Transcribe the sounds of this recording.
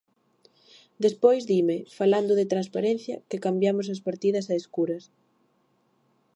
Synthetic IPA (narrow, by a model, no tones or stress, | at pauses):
d̪espojzðimɪfaland̪ʊðɪt̪ɾanspaɾẽn̟θjɐ̰kɪkambjamʊsɐspaɾt̪iðɐsɐeskuɾɐs